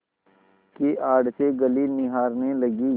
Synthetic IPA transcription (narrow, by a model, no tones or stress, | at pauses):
kiʔaːɖseɡəliːnɪɦaːɾnelɐɡiː